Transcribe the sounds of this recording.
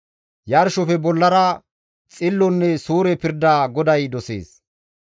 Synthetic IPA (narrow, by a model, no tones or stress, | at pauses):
jɐɾʃɔfɛbɔlːɐɾɐ | t͡sʼɪlːɔnːɛsuːɾɛpɪɾd̪aːɡɔd̪ɐjd̪ɔsḛːs